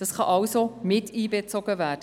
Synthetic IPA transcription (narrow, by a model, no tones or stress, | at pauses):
d̥ɑsχɑʔɑwsomɪtʰiːbet͡soɡəvæːd̥ə